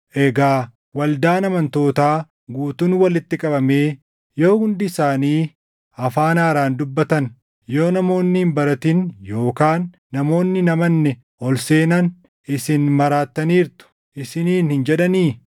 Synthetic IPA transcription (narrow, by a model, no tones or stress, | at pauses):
ʔɛɡaː | wɐld̪aːnɐmɐnt̪o̞ːt̪aː | ɡuːt̪unwɐlɪt̪ːɪkʼɐbɐme̞ː | jo̞ːhʊnd̪ɪsaːniː | ɐfaːnaːɾaːnd̪ʊbːɐt̪ɐn | jo̞ːnɐmo̞ːnːɪhɪmbɐɾɐt̪ɪnjo̞ːkaːnː | ɐmo̞ːnːɪnɐmɐnːɛ | ʔɔlse̞ːnɐn | ɪsɪnmɐɾaːt̪ːɐniːɾt̪ʊ̥ | ʔɪsɪniːnhɪnd͡ʒɛᶑɐniː